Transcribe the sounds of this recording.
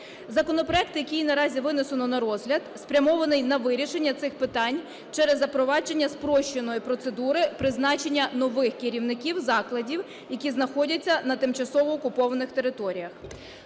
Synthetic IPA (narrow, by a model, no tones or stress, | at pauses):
zɐkɔnɔpɾɔɛk̚t̪ɪjɐkʲijinɐɾɑzʲiʋɪnɪsenɔnɐɾɔzɦlʲɐd̪spɾʲɐmɔʋɐnɪjnɐʋɪɾʲiʃe̞nʲːɐt̪sɪxpɪt̪ɑnʲ | t͡ʃɛɾɛzːɐpɾɔʋɑd͡ʒenʲːɐspɾɔʃt͡ʃːenɔjipɾɔt̪se̞d̪uɾɪpɾɪznɑt͡ʃe̞nʲːɐnɔʋɪxkɪɾʲiwnɪkʲiwzɑklˠɐdʲiw | jɐkʲiznɐxɔdʲɐt͡sʲːɐnɐt̪ɪmt͡ʃɐsɔʋɔːkʊpɔʋɐnɪxt̪e̞ɾɪt̪ɔɾʲijɐx